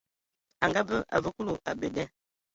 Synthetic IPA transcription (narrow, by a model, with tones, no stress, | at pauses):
a˨ŋɡa˦bə˦ʔa̰˨və˦ku˦lo˨a˨bə˨dɛ˦